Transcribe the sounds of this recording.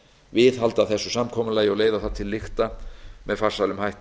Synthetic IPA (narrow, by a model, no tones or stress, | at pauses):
vɪðɦalt̪aθɛsːʏsamkʰɔmʏlaːjɪɔɣleːjðaθaðt̪ʰɪlːɪxt̪amɛðfarsalʏmhajht̪